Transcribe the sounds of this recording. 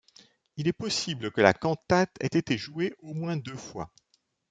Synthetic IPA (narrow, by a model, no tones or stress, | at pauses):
ilɛpɔsibləkəla̰kɑ̃t̪at̪ɛ̰t̪et̪eʒueomwɛ̃d̪øfwa̰